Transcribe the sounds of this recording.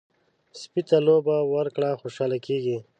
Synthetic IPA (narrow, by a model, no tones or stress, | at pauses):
spit̪alobawɐɾkɽaxoːʃaːlakeːɡi